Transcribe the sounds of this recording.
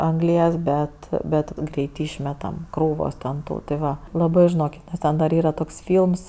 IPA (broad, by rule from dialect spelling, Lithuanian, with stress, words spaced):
ɐŋˈɡlʲiɛs bʲɛt ˈbʲɛt ˈɡrʲɛɪt ˈɪʃʲmʲɛtɐm ˈkruːʋoːs tʲɛn ˈtuː tʲɪ ˈʋɐ lˠɐˈbɜ ʒʲɪˈnoːkʲɪt nʲɛs ˈtʲɛn dɐr ˈiːrɐ ˈtoːks ˈfʲiːlˠms